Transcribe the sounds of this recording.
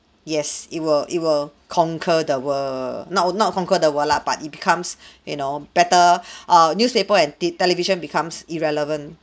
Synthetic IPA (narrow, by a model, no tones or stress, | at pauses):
jɛsit̚wilʔit̚wil | kʰɔ̃ŋkʰədəwənɔnɔt̚kʰɔ̃ŋkədəwəlab̥a̰tit̚bikʰãmsjunob̥ɛtəʔanjuspepəɛ̃nitɛliviʃə̃nbikʰãmsiɹɛləvə̃nt